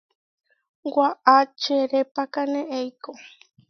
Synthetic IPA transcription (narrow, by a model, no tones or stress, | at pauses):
waʔat͡ʃeɾepakanẽejko